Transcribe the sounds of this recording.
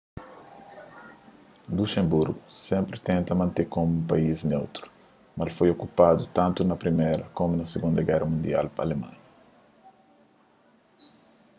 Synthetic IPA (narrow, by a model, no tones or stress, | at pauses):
luʃẽmbuɾɡusɛ̃mpɾɪt̪ẽnt̪ɐmɐ̃nt̪ekomũmpaiznewt̪ɾu̥ | mɐlfojokupad̪ut̪ãnt̪unɐpɾimeɾɐkomunɐseɡũnd̪ɐɡɛrɐmũnd̪ia̰lpɐ̰lemã̰ɲɐ